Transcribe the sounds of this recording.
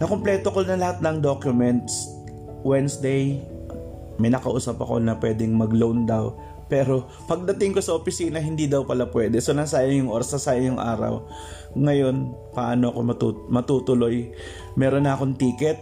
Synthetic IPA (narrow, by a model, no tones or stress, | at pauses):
nɐkomplɛːt̪oko̞nɐlɐhat̪̚nɐŋd̪o̞kjʊmɛnt̪s | wɛnsd̪ɛj | mɐjnɐkɐʔuːsɐpɐ̰ko̞̰nɐpwɛːd̪ɛŋmɐɡlownd̪aw | pɛːɾo̞ | pɐɡ̚d̪ɐt̪ɪŋko̞sɐʔopɪsiːnɐɦɪnd̪id̪ɐwpɐlapwɛːd̪ɛsonɐŋsaːjɐŋjʊŋʔo̞ːɾɐsnɐsaːjɐŋjʊŋʔa̰ːɾɐ̰w | ŋɐjo̞npɐʔaːnoɐko̞mɐt̪umɐt̪uːt̪ʊlo̞j | mɛːɾo̞nɐʔɐko̞ŋt̪iːkɛt̪̚